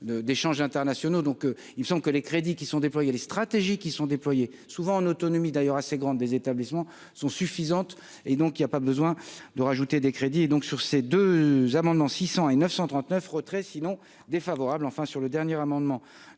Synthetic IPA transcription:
d̪əd̪eʃɑ̃ʒɛ̃t̪ɛʁnasjɔnod̪ɔ̃k | ilməsɑ̃bləkəlekχed̪ikʲisɔ̃d̪eplwajelest̪χat̪eʒikʲisɔ̃d̪eplwaje | suvɑ̃ːnot̪ɔnɔmid̪ajœʁaseɡʁɑ̃d̪ːezet̪ablismɑ̃ | sɔ̃syfizɑ̃t̪ | ed̪ɔ̃kilapabəzwɛ̃d̪əʁaʒut̪ed̪ekχed̪ied̪ɔ̃ksyʁsed̪øzamɑ̃d̪mɑ̃sisɑ̃enœfsɑ̃t̪χɑ̃t̪nœfʁət̪χɛsinɔ̃ | d̪efavɔʁablɑ̃fɛ̃syʁləd̪ɛʁnjeʁamɑ̃d̪mɑ̃

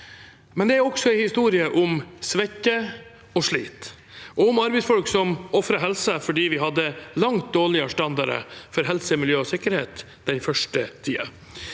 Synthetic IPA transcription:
mɛnd̪ɛæɾɔksɔæɪhɪst̪uːɾɪəʔʊmsʋɛçːə | ɔʂɭiːt̪ | ʔɔʊmɑɾbɛɪsfɔlksɔmɔfɾəɦɛlsəfɔɖiːʋɪɦɑd̪ːəlɑŋt̪̚d̪oːɭɪəʂʈɑnd̪ɑɾə̰fɔɾɦɛlsəmɪljøːɔsɪkːəɾhḛːt̪ | d̪̥ɛnfœʂʈət̪ʰiːə̰

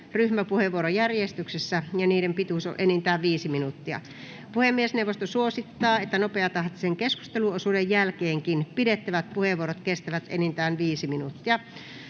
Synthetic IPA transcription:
ryhmæpuheʋːuoɾojærjest̪yksesːæjɑniːɾempit̪uˑso̰ʔenint̪æːʋʋiːsiminut̪ːiɑ̰ | puhemːiesneuwʋːˑost̪osuosit̪ːɑːet̪ːænopeɑt̪ɑht̪i̥seŋkesku̥st̪eluosuːdejjælkeːŋkinpidet̪ːæʋæt̪̚puheʋuoɾot̪kest̪æʋæt̪ḛnint̪æːnʋiːsiminut̪ːiɑ

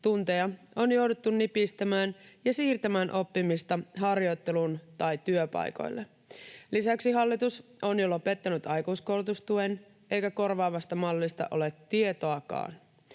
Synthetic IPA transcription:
t̪unt̪ejɑ | o̞njo̞wdet̪ːunːipist̪æmæːnjɑsiːrt̪æmæːnʔo̞pːimist̪ɑɦɑrjo̞jt̪ːe̞lunt̪ɑjt̪yøpɑ̰jko̞̰jlːe | lisæksiɦɑlːit̪usonjolope̞t̪ːænyt̪ɑjkusko̞lut̪ust̪uen | ʔe̞jkæko̞rʋɑːʋɑst̪ɑmɑlːist̪ɑ̰ʔo̞let̪ːiet̪o̞ɑkɑ̰ːn

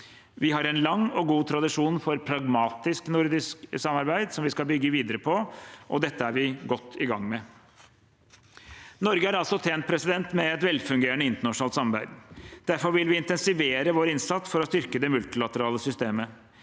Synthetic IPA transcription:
ʋɪɦɑɾɛnlɑŋːɔɡuːt̪ʰɾɑd̪ɪʂuːnfɔɾpʰɾɑɡmɑːt̪ɪsknʊɾd̪ɪsksɑmːɑɾbæɪd̪sɔmʋɪskɑlbʏɡːəʋiːd̪əɾəpʰɔʔɔ̰d̪ɛt̪ːəæɾʋɪɡɔt̪ʰːɪɡɑŋːmɛ | nɔɾɡəæɾɑlsɔt̪ʰeːnt̪̚pʰɾɛsɪd̪ɛnt̪mɛɛt̪ʋɛlːfʉŋɡeːəɳəɪnt̪əɳɑʂn̩ɑːlt̪sɑmbæɪd̪d̪̥æɾfɔɾʋɪlʋɪɪnt̪ɛnsɪʋeːɾəʋoːɾəɪnsɑt̪sfɔɾɔst̪ʏɾkəd̪ɛmʉlt̪ɪlɑt̪əɾɑːləsʏst̪eːmə

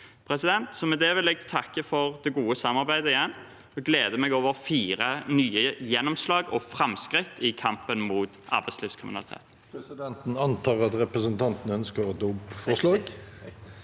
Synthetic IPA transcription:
pʰɾɛsɪd̪ɛnt̪sɔmɛd̪eːʋɪlɛɡ̚t̪ʰɑkːəfɔʁd̪ɛɡuːəsɑmɑʁbæɪd̪əɪjɛnː | ɔɡleːd̪əmɛɡoːʋəʁfiːʁənyːəjɛnːɔmslɑːɡɔfʁɑmskʁɪt̪ʰːɪkʰɑmpənmuːt̪ʔɑ̰ʁbæɪtslɪːfskʰʁɪmɪnɑlɪt̪ʰḛːt̪n | sd̪ɛnt̪n̩ɑnt̪ʰɑːʁɑt̪ɾɛpɾəsənt̪ʰɑnt̪ənəœnskəɾɔd̪uːbfɔslɑːɡ

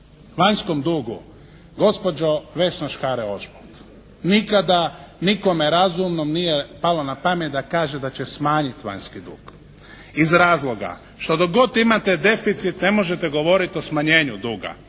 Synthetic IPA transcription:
ʋaɲsko̞md̪uːɡu | ɡo̞spo̞d͡ʒo̞ʋesnoʃkaɾeo̞ʃpot̪ | nikad̪aniko̞meɾazumnomnije̞palonapamet̪̚d̪akaːʒed̪at͡ɕesmaːɲit̪ʋa̰ɲskid̪ṵːɡ̥ | izɾaːzlˠo̞ɡa̰ | ʃt̪o̞d̪oɡo̞t̪imat̪ed̪e̞fit̪sit̪ne̞mo̞ʒet̪eɡo̞ʋo̞ɾit̪o̞smaɲe̞ːɲud̪uːɡa̰

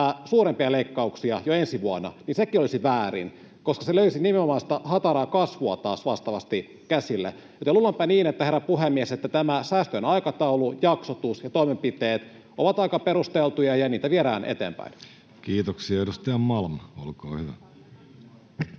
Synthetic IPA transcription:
æsuːɾempiɑleikːɑuksiɑjoensiʋuɑnɑ̰ninsekiolisiʋæːɾḭn | koskɑseløysinimenomɑːnst̪æhɑt̪ɑɾɑːkɑsʋuɑt̪ɑːsʋɑst̪ɑʋɑst̪i | kæsilːḛ | jot̪elulːɑmpæniːnet̪ːæherːɑpuɦemːieset̪ːæt̪æmæsæːst̪øonɑikɑt̪ɑulujɑksot̪usjɑt̪oimempit̪eːt̪ | oʋɑt̪ɑikɑpeɾust̪elt̪ujɑjɑniːt̪æʋieɾæ̰ːnʔḛt̪eːmpæ̰in | kiːt̪oksiɑeɾust̪ɑjɑmmɑlmolko̰ːhyʋæ

